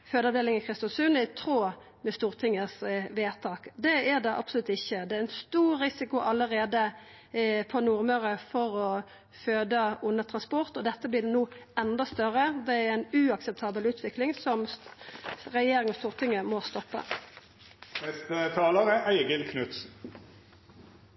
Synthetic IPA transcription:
føːd̪əɑʋd̪eːlɪŋəkʰɾɪst̪ɑsʉnɪt̪ʰɾoː | mɛst̪uːʁt̪ʰɪŋːəsʋeːt̪ʰɑːkd̪ɛæʁd̪ɛʔɑ̰psʊlʉt̪ːɪçːəd̪ɛæɾɛnst̪uːɾːɪsɪkʊʔɑlːəɾeːd̪ə | pʰɔnuʁmœɾəfɔɾɔ | føːd̪əʊnːəʁt̪ʰʁɑnspɔʁt̪ɔd̪ɛt̪ːəblɪd̪ɛnuːɛnd̪ɔst̪œʁəd̪ɛæɾæɪnʉɑksɛp̚t̪ʰɑːbəlʉːt̪ʰʋɪklɪŋsɔm | ʁɛjeːɾɪŋəst̪uːʁt̪ʰɪŋːəmɔst̪ɔpːə̰ | nɛst̪ət̪ʰɑːləʁəʔæɪɡəlkʰnʉt̪s

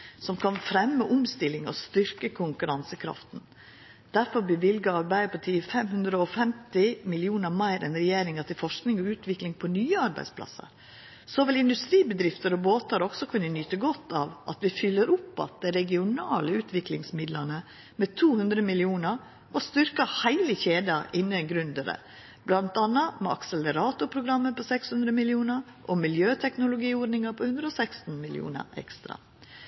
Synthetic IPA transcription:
sɔmkʰɑnfɾɛmːəʔʊmst̪ɪlɪŋɔ̰st̪ʏɾkəkʰʊŋkʉɾɑnsəkʰɾɑ̰ft̪n̩ | d̪̥æɾfɔɾbəʋɪlɡəɑɾbæɪd̪əpʰɔt̪ʰiːəfɛmhʉnd̪ɾəɔfɛmt̪ɪmɪlɪuːnəɾmæɪɾɛ̰nɾɛjeːɾɪŋɑt̪ɪlfɔʂknɪŋɔʉːt̪ʋɪklɪŋpʰɔnyːəɑɾbæɪspʰlɑ̰sə̰ɾ | sɔʋɪlɪnd̪ʉst̪ɾiːbəd̪ɾɪft̪əɾɔboːt̪əɾɔksɔkʰʉnːənyːt̪əɡɔt̪ːɑːʋʔɑ̰t̪ʋɪfʏlːəɾʊpːɑ̰t̪̚d̪ɛɪɾɛɡɪʊnɑːləʉːt̪ʋɪklɪŋsmɪd̪lənə | met̪ʰuːhʉnd̪ɾəmɪlɪuːnəɾ | ɔst̪ʏɾkɑhæɪləçeːd̪ɑʔɪnːənɡɾʉnd̪əɾə̰ | blɑnt̪ɑnːɑmɛɑ̰ksələɾɑːt̪ʊpʰɾʊɡɾɑmːəpɔsɛkshʉnd̪ɾəmɪlɪuːnəɾ | ʔɔmɪljøːt̪ʰɛknʊlʊɡiːɔɖnɪŋɑpʰɔhʉnd̪ɾəɔsækst̪n̩mɪlɪ̰ṵːnə̰ɾɛ̰kst̪ɾɑ̰

